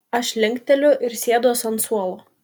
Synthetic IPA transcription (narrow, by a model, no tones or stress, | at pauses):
ɐʃlʲɪŋʲkt̪ʲɛlʲʊʔɪɾsʲeːd̪oɔsɐnsuɔlˠoː